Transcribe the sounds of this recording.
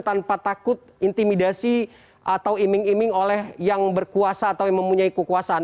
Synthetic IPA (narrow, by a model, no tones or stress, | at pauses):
t̪anpat̪akʊt̪̚int̪imidasi | ʔat̪awimɪŋimɪŋolɛhjaŋbərkuasaːt̪awjaŋməmpuɲaikəkuasaan